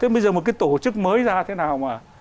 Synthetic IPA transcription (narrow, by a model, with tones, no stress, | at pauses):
t̪ʰe˨˦˥ɓə˧jzəː˨˩mo˨˩t̚kaː˨˦jt̪o˧˩t͡ɕɨ˦˥k̚məː˨˦jzaː˧t̪ʰe˨˦naː˨˩wmaː˨˩